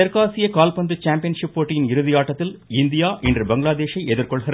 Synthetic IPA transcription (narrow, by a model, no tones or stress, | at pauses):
ɐɾkaːsɪjɐkaːlpɐnd̪ɯt͡ʃaːmpɪjɐnʂɪpːoːʈːɪjɪnɪɾɯðɪjaːʈːɐt̪ːɪlɪnd̪ɪjaːʔɛndrɯbɐŋɡɭaːd̪eːʂɐɪʔɛðɪɾkɔɭɣɐrɐ